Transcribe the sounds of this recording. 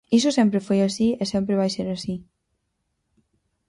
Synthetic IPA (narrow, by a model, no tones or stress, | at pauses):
isusempɾefejasiesemp̬ɾeβajseɾasi